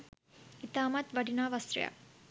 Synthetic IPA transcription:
it̪aːmɐt̪ʋɐɖinaːʋɐsɾja̰

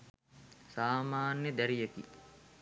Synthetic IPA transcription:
saːmaːnjəd̪æɾijet̪i

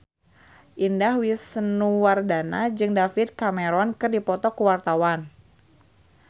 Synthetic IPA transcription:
ʔindahwisənuwardanad͡ʒɨŋdafit̪̚kamɛɾɔnkɨrdipɔt̪ɔkəwart̪awan

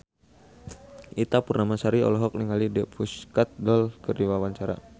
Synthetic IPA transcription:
ʔit̪apurnamasaɾiɔ̰lɔɦɔk̚niŋalidɛpʰuskat̪̚dɔlkərdiwawaɲt͡ʃaɾa̰

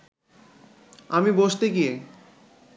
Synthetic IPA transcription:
amiboʃt̪eɡie

